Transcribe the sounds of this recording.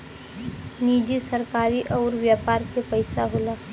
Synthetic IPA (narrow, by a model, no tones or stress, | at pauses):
niːd͡ʒisəɾkaːɾiʔɔːɾʋjaːpaːɾkepəɪsaɦoːlaː